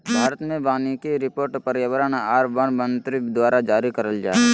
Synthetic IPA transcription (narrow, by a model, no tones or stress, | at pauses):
bʱaːɾət̪mẽbaːnikeɾɪpoːɾʈpəɾjəʋəɾənaːɾbənmə̃nt̪ɾid̪waːɾad͡ʒaːɾikɐɾəld͡ʒa̰ːe